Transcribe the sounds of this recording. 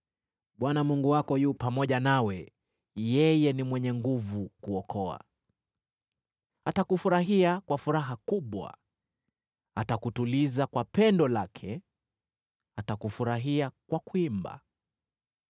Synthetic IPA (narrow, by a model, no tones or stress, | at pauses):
ɓwanamuŋɡuwakɔjuːpamɔʄanawɛ | jɛjɛnimwɛɲɛŋɡuvukuɔkɔa̰ | atakufuɾaɦiakwafuɾaɦakuɓwa̰ | atakutulizakwapɛndɔlakʰɛ | atakufuɾaɦiakwakuimba̰